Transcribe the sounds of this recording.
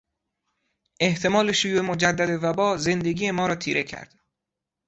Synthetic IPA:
ʔe̞ht̪ʰe̞mɒːle̞ʃojuːʔemod͡ʒæd̪ːæd̪evæbɒːze̞nd̪e̞ɡʲiːje̞mɒːɾɒːt̪ʰiːɾe̞cʰæ̰ɾd̪̥

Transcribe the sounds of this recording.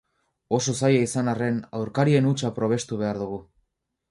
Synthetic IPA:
o̞so̞sajaisanare̞nawɾkaɾie̞nut͡ʃapɾo̞β̞e̞st̪uβe̞aɾðuɣ̞u

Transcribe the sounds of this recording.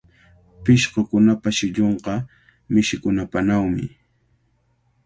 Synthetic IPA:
pɪʃqokʊnapaʃɪʎoɴqɑ | mɪʃɪkʊnapanawmɪ̰

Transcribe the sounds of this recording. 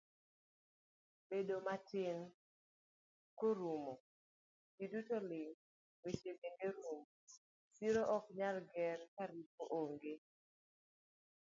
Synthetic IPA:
bedomatɪn | koɾumo | d͡ʒidutolɪŋ | wet͡ʃebeŋɡeɾumo | siɾoʔɔkɲalɡɛɾkaɾipoʔoŋɡe

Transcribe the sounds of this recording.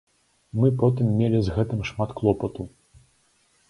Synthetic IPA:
mɨpɔt̪ɨmːʲelʲizɣɛt̪ɨmʂmat̪klˠɔpɐt̪u

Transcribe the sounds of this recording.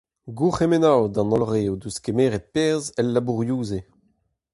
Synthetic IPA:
ɡuχemenawd̪ɑ̃nɔlʁeud̪uskemeːʁɛt̪̚pɛʁzɛlːabuʁjuːze

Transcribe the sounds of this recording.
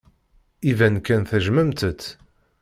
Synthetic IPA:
ivænkːænθəʒməmt̪ət̪ː

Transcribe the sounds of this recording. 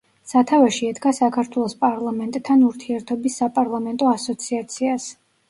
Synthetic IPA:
sat̪ʰavaʃiɛd̪ɡasakʰaɾt̪ʰwɛlˠɔspʼaɾlˠamɛnt̪ʼʰːanuɾt̪ʰiɛɾt̪ʰɔbisːapʼaɾlˠamɛnt̪ʼɔasɔt̪sʰiat̪sʰias

